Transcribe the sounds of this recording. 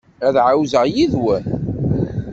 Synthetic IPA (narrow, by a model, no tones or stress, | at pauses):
æðʕawzəʁjiðwæ